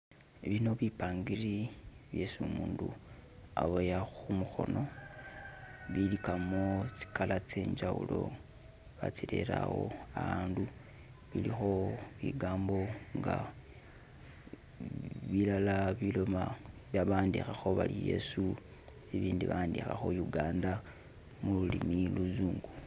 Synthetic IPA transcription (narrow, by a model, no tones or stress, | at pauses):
βino̞βipaːŋɡiriβje̞sumuːndua̰βojaxumuxo̞no̞ | βilikamot͡si̥kalat͡se̞ːɲd͡ʒawṵlo̞̰ | βa̰t͡sile̞̰ɾawo̞aβaːndu | βilixo̞βiɡaːmbo̞ŋɡa | βilalaβilo̞maβjaβaːndixaxo̞βalije̞̰su | eβiːndiβaːndixaxo̞juɡaːnda | mululimiluzuːŋɡu